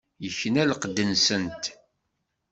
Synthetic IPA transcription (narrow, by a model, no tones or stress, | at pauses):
jəçːənælqəd̪ːənsənt̪